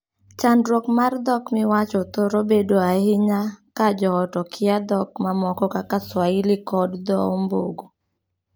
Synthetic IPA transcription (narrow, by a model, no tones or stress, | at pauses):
t͡ʃandɾokmard̪ɔkmɪwat͡ʃɔt̪oɾobedoahɪɲakad͡ʒɔɔtɔkʰɪad̪ɔkmamɔkɔkakaswaɪlɪkɔdd̪ɔmbo̰ɡo